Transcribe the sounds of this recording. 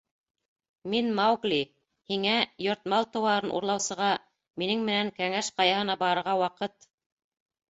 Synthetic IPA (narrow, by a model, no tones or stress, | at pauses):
minmawɡlʲi | hiŋæjŏɾt̪mɑlˠt̪ɤ̆wɑɾɤnʔṵɾlˠɑwsɤ̆ʁɑ | minɘŋmɘ̆næŋkæŋæʃqɑjɑhɤ̆nɑbɑɾɤ̆ɾʁɑwɑqɤt̪